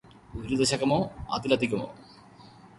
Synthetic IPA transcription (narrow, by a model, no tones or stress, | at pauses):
uɾud̪ɐɕɐkːɐmoːɐ̰t̪ilɐt̪ːikʲːumo̰ː